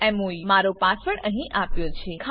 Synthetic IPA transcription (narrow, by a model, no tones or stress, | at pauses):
ɛmoimaɾopasʋəɳʔəɦĩʔapjot͡ʃʰekʰ